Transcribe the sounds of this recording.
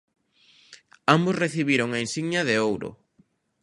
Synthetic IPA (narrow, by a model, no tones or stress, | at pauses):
ambʊsreθiβiɾoŋaensiɣɲɐðeowɾʊ̰